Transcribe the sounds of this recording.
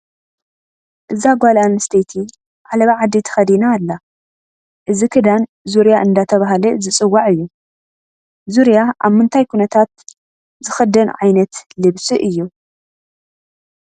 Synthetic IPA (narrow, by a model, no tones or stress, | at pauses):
ʔɨzaɡʷalanɨst̪ʰejt̪ʰi | ʕalɐβaʕad̪it̪ʰɐ̥xɐd̪inaːlːa | ʔɨzikʰɨd̪an | zuɾjaʔɨnd̪at̪ʰɐβaɦalɨzɨt͡sʼɨwːaʕɨjːu | zuɾjaʔaβmɨnt̪ʰajkʰunɐt̪ʰat̪ | zɨxɐd̪ɐnʕajnɐt̪lɨβsɨʔɨjːu